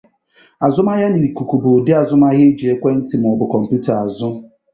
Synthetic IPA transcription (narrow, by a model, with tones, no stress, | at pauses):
a˨zʊ˦ma˦ɣa˦ni˨ku˨ku˨bʊ˨dɪ˦a˨zʊ˦ma˦ɣɪ˦d͡ʒi˨e˦kʷe˦n̩˦tɪ˨m˨ɔ˨bʊ˨kɔ˨m̩˨pju˦ta˨a˨zʊ˦